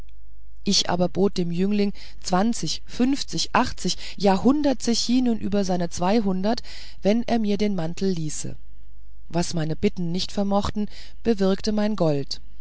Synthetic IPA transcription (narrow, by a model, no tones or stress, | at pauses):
ʔɪçʔa̰ːbɐboːt̚d̥eːmjʏŋlɪŋ | t͡sv̥ant͡sɪç | fʏnft͡sɪçʔaχt͡sɪç | jaːɦʊndɐtt͡sɪçiːnuːnʔyːbɐzaɪnət͡sv̥aɪɦʊndɐt | v̥ɛnʔḛːɐmiːɐdeːnmantʰl̩liːsə̰ | vasmaɪnəbɪtn̩nɪçtfɛɐmɔχtn̩ | b̥əvɪɐktəmaɪnɡɔlt